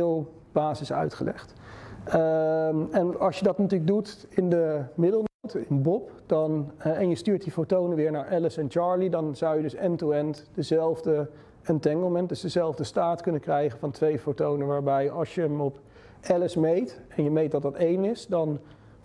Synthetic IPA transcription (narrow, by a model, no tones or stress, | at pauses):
lˠ | b̥aːzɪsœ̰ɥtχəlɛ̰χt | ɛnɑlˠʃjədɑtnətyːləɡ̚dutɪndəmɪdəl̩ˠnowtɪnəbɔpd̥ɑnɛnjəstyːɹtdifotownənʋɪːɹnaːɹʔɛləsɛnt͡ʃɑːɹlidɑnzɑwjədɵsɛntuɛntd̥əzɛlˠvdə | ɛntɛŋɡəl̩ˠmɛntdəzdəzɛlˠvdəstaːtkɵnənkrɛjχənvɑntʋejfowtownənʋaːɹbɛjɑlˠsjəɦəmɔp | ʔɛləsmejtɛnjəmejt̚dɑt̚dɑtejnɪsdɑn